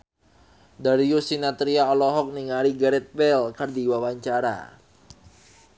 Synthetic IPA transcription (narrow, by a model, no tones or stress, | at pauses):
daɾijusinat̪ɾiaɔlɔɦɔk̚niŋaɾiɡaɾɛt̪̚wɛlkərdiwawaɲt͡ʃaɾa̰